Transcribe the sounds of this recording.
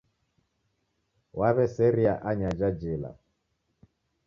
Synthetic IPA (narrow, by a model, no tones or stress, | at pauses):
waβɛsɛɾiaʔaɲad͡ʒad͡ʒila̰